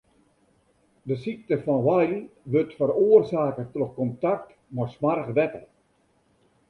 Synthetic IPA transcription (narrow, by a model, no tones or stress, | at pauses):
dəsik̚təfɔnʋajlʋøtfəɾoərsaːkətroxkɔntak̚t | mɔsmarxʋɛkə̰l